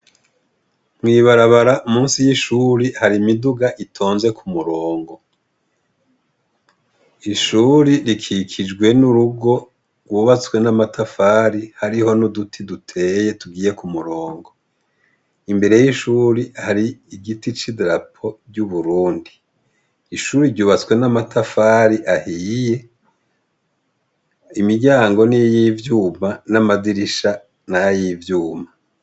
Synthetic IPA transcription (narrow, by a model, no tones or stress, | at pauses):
mwiːβaɾaβaɾaʔumuːnsijiʃuɾihaɾimiduɡaʔitʰoːnze̞kʰumuɾoːŋɡo̞ | iʃuɾiɾikʰikʰid͡ʒɡwe̞nuɾuɡo̞ | ɡwuβat͡swe̞namatʰafaːɾihaɾiɦo̞nudutʰidutʰeːje̞tuɡiːje̞kumuɾoːŋɡo̞ | imbe̞ɾe̞jiʃuːɾihaɾiiɡitit͡ʃidɾapʰo̞ɾɟuβuɾuːndi | iʃuːɾiɾɟuːβat͡swe̞namatʰafaɾiʔahiːje̞ | imiɟaːŋɡo̞nijiːvjuːmanamaziɾiʃa | najajiːvjuːma